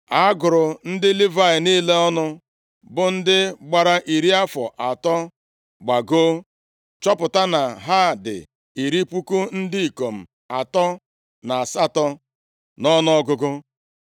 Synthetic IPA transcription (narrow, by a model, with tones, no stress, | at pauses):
a˦ɡʊ˨ɾʊ˨n̩˦dɪ˦li˦va˦ɪ˨niː˦le˦ɔ˦nʊ˦ | bʊ˨n̩˦dɪ˦ɡ͡ba˨ɾa˦ʔi˨ɾi˦a˦fɔ˨ʔa˨tɔ˦ | ɡ͡ba˨ɡo˦ | t͡ʃɔ˦pʊ˨ta˦na˨ɦa˦˨dɪ̰˨ | i˨ɾi˦pu˦ku˦n̩˦dɪ˦i˨ko˨m̩˨ | a˨tɔ˦ | na˨a˨sa˦tɔ˦ | nɔ˦nɔ˦ɔ˦ɡʊ˦ɡʊ˦